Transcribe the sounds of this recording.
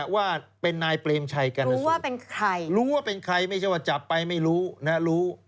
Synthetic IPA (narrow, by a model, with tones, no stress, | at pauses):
waː˥˩pe˧nːaː˧jpleː˧mt͡ɕʰa˧jka˧nɾuː˦˥waː˥˩pe˧nkʰɾa˧jɾuː˦˥waː˥˩pe˧nkʰɾa˧jma˥˩jt͡ɕʰa˥˩jwaː˥˩t͡ɕa˨˩pːa˧jma˥˩jɾuː˦˥na˦˥ɾuː˦˥